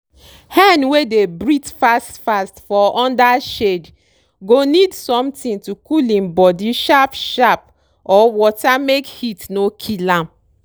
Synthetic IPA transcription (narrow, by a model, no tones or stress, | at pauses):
hãndwedebɹitfastfastfɔʔɔ̃ndaʃed | ɡonidsɔ̃mtĩntukulĩmbɔdiʃapʃap̚ | ɔwɔtamekhitnokʰilãm